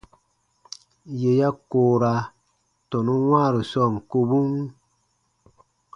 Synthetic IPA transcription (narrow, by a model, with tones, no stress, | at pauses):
je˨ja˦koː˨ɾa˨ | tɔ˨nu˦ŋwaː˦˨ɾi˨sɔ˦˨ŋ˨ko˦bu˦ŋ